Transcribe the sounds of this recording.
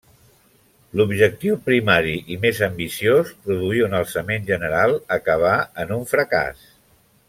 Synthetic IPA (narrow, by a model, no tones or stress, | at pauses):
lubʒək̚t̪iwpɾimaɾiʔimezəmbisiospɾuðuiənəlˠsəmenʒənəɾalˠəkəβ̞aənuɱfɾəka̰s